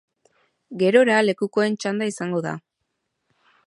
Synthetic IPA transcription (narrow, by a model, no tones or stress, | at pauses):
ɡe̞ɾo̞ɾale̞kuko̞e̞nt͡ʃand̪aisaŋɡo̞ða̰